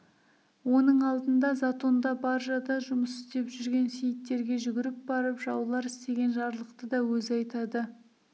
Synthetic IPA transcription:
wo̞nəɴɑlˠd̪ənd̪ɑzat̪o̞nd̪ɑbɑɾʒɑd̪ɑʒʊməsɪ̥szt̪e̞pʒʏɾɡʲe̞nsejɪt̪ːe̞ɾɡʲe̞ʒʏɡʲɪɾɪp̚bɑɾəpʒɑwlˠɑɾɪst̪e̞ɡʲe̞nʒɑɾlˠəqt̪əd̪ɑwɵzɑjt̪ɑd̪ə

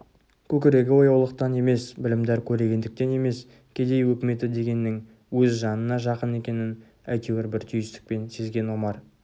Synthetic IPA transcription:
kʲʰɵkʲɪɾe̞ɡʲɪwo̞jɑwlˠəq̚t̪ɑne̞me̞sbɪlɪmd̪eɾkʲʰɵɾe̞ɡʲe̞nd̪ɪk̚t̪e̞ne̞me̞s | kʲʰe̞d̪e̞jwɵkʲɪme̞t̪ɪd̪e̞ɡʲe̞nːɪŋ | wɵzʒɑnənɑʒɑqəne̞kʲe̞nɪn | æ̰jt̪eɡʲeɾbɪɾt̪ʰʏjɪst̪ɪ̥k̚pe̞nse̞zɡʲe̞nwo̞mɑɾ

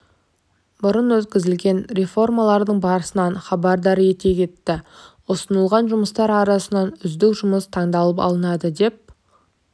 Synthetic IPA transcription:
bʊɾənwɵt̪kʲɪzɪlɡʲe̞nɾe̞fo̞rmɑlˠɑɾd̪əɴbɑɾəsənɑnχɑbɑɾd̪ɑɾje̞t̪e̞kʲe̞t̪ːɪ | ʊsənəlˠʁɑnʒʊməst̪ɑɾɑɾɑsənɑnʏzd̪ɪkʒʊməst̪ʰɑɴd̪ɑlˠəpɑ̰lˠənɑd̪əd̪e̞p̚

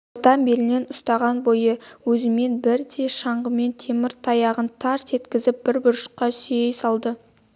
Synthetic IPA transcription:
ot̪ɑmbelɪne̞nʊst̪ɑʁɑnbo̞jəwɵzɪme̞nbɪɾd̪e̞ʃɑɴʁəme̞nt̪ʰe̞mɪɾt̪ʰɑjɑʁənt̪ʰɑɾse̞t̪kʲɪzɪp̚b̥ɪɾbʊɾʃə̥qːɑsʏjejsɑlˠd̪ə

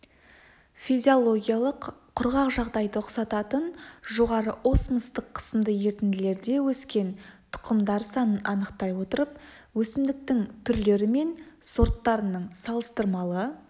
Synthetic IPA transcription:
fizʲio̞lˠo̞ɡʲijalˠəqʰː | ʊɾʁɑqʒɑʁd̪ɑjd̪əʊqsɑt̪ɑt̪ənʒo̞ʁɑɾəʔo̞sməst̪əqʰːə̥səmd̪əje̞ɾt̪ɪnd̪ɪle̞ɾd̪e̞wɵskʲe̞nt̪ʰʊ̥qəmd̪ɑɾsɑnənʔɑnəqt̪ɑjwo̞t̪əɾəp̚wɵsɪmd̪ɪk̚t̪ɪŋt̪ʰʏɾle̞ɾɪme̞nso̞ɾt̪ːɑɾənəɴsɑlˠəst̪əɾmɑlˠə

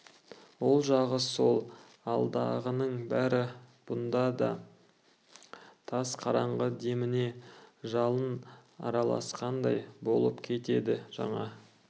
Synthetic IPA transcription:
wo̞lˠʒɑʁəso̞lˠ | ɑlˠd̪ɑʁənəɴbæɾɪb̥ʊnd̪ɑd̪ɑ̰ | t̪ʰɑsqʰɑɾɑɴʁəd̪e̞mɪne̞ʒɑlˠənɑ̰ɾɑlˠɑ̰sqʰɑnd̪ɑjbo̞lˠəpkʲʰe̞t̪e̞d̪ɪʒ̥ɑ̰ɴɑ

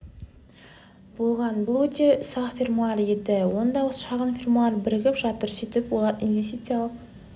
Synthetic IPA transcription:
b̥o̞lˠʁɑnbʊlˠwɵt̪esɑqfʲirmulˠaɾed̪ɪwo̞nd̪ɑwəsə̥ʃɑʁənfʲirmulˠɑɾbɪɾɪɡʲɪpʒɑt̪əɾsʏt̪ɪpwolˠɑɾinvʲest̪it̪sijalˠəq

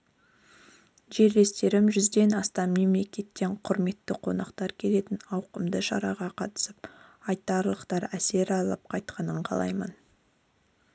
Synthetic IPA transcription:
ʒe̞ɾd̪e̞st̪e̞ɾɪmʒʏzd̪e̞nɑst̪ɑnme̞mle̞kʲe̞t̪ːe̞ɴqʰʊɾme̞t̪ːɪqʰo̞̰nɑqt̪ɑɾkʲʰe̞le̞t̪ɪnɑwqəmd̪əʃɑ̰ɾɑʁɑqʰɑt̪ə̥səp̚ɑjt̪ɑɾlˠəqt̪ɑɾæse̞ɾɑlˠəp̚qʰɑjt̪̚qʰɑnəɴqʰɑ̰lˠɑ̰jmə̰n

